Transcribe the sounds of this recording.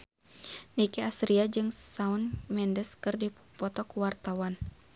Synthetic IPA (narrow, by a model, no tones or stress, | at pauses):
nikɛast̪ɾiad͡ʒɨŋsaunmɛndəskɨrdi | pɔt̪ɔkuwart̪awan